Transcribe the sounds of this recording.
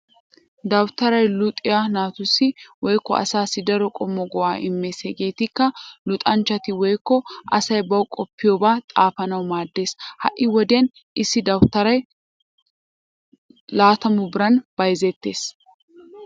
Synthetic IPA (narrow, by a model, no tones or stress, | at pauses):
d̪ɐwt̪ɐɾɐjlʊt̪ʼːɪjanaːt̪ʊsːɪwɔjkːɔ̰ʔɐ̰saːsːɪd̪ɐɾɔkʼɔmːɔɡɔwaːʔɪmːe̞ːsɛɡe̞ːt̪ɪkːɐlʊt̪ʼɐnt͡ʃːɐt̪ɪwɔjkːɔʔɐsɐjbɐwkʼɔpːɪjoːbaːt̪ʼaːfɐnɐwmaːd̪ːe̞ːshɐʔːɪwɔd̪en | ʔɪsːɪd̪ɐwt̪ːɐɾɐj | laːt̪ɐmʊbɪɾɐnb̥ɐjzɛt̪ːe̞ːs